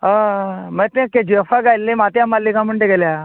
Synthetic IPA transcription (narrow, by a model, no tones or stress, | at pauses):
ɦamɛ̃t̪ẽkẽd͡ʑefaɡajlːemat̪jamalːikãməɳɖeɡelja